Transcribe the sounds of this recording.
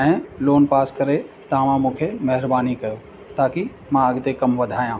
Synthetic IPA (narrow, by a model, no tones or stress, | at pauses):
ɦẽloːnpaːskɐɾe | t̪ãːʋãmũːkʰemɐɦɪɾbaːnikɐjo | t̪aːki | mãɐɡt̪ekɐmʋɐd̪ʱaːjãː